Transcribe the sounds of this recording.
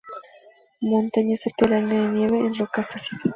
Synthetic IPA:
mõnt̪aɲaseɾkalanaðenjeβeːnrokasasit̪a

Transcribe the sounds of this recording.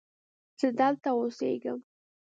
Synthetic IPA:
z̥əd̪əlt̪aosḛɡəm

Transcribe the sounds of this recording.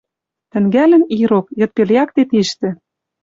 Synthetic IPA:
t̪ɘ̆ŋɡælɘ̆niɾokjɤ̆t̪̚peljɑkt̪et̪iʃt̪ɘ̆

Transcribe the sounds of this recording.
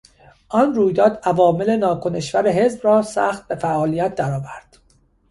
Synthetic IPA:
ʔɒnruːjd̪ɒːd̪ævɒːme̞le̞nɒːkʰoneʃvæɾeɦe̞zbrɒːsæ̰ːxt̪̚be̞fæʔɒːlijæt̪̚d̪æɾɒːvæɾd̪̥

